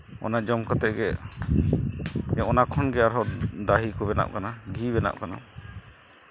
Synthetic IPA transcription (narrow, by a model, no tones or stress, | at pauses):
ɔ̰nad͡ʒɔmkɔt̪ɛʔɡɛ | ɔ̃ʔɔnakʰɔnɡɛaɾɦɔd̪aɦikɔbɛna̰ʔ̚kanaɡʱibɛna̰ʔ̚kana